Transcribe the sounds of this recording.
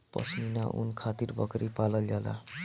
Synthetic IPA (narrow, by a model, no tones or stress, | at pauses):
pʌ̰sninaʔṵnkʰat̪irbʌkɾʔipalʌljala̰